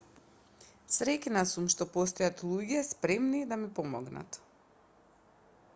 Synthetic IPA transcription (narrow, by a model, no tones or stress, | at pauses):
sɾɛcnasumʃt̪ɔpɔs̬t̪ɔjat̪lˠuɟɛspɾɛmnid̪amipɔmɔɡna̰t̪